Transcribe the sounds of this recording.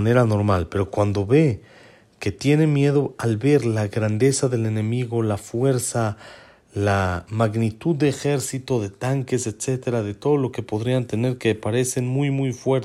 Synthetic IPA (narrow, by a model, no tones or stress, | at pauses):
ne̞ɾano̞ɾmalpe̞ɾokwand̪o̞βe̞ | ke̞t̪je̞ne̞mje̞ðo̞alβe̞ɾlaɣɾand̪e̞saðe̞le̞ne̞miɣo̞lafwe̞ɾsa | lamaɣnit̪ud̪ːeːxe̞ɾsit̪o̞ðe̞t̪aŋke̞set̪se̞t̪e̞ɾaðe̞t̪o̞ðolo̞ke̞po̞ðɾiant̪e̞ne̞ɾkepaɾe̞se̞nmujmujfwe̞ɾ